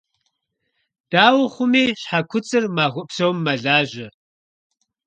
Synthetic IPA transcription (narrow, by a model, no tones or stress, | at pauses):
d̥aːwʊχʷʊmiːɕħakʷʰʊt͡sʼɨrmaːɣʷʊpsowmːɐɮaːʒɐ